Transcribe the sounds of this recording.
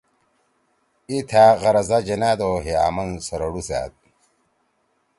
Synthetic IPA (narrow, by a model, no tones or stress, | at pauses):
it̪ʰaːɣɐɾɐzad͡ʑɐnaːd̪oːɦeaːmɐnsɐɾɐɽusa̰ːt̪̚